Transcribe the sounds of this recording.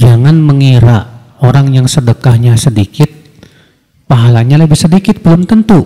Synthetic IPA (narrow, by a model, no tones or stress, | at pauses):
d͡ʒaŋanməŋiɾa | oɾaŋjaŋsədəkahɲasədikɪt̪̚ | paɦalaɲaləbɪhsədikɪt̪̚bəlʊmt̪ənt̪u